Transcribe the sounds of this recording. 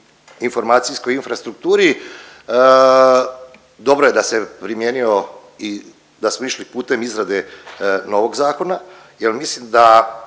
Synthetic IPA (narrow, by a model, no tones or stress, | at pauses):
info̞ɾmaːt̪sijsko̞jinfɾast̪ɾuk̚t̪uːɾi | d̪o̞bɾo̞jed̪ase̞pɾimjeːnio̞ | i | d̪asmoiʃlipuːt̪e̞mizɾad̪eno̞ʋoɡzaːko̞na | jelmislimd̪a